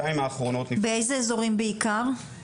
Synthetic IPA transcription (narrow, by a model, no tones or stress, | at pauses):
aimaːχʁono̞t̪nibeejzeezo̞ʁimbeikaʁ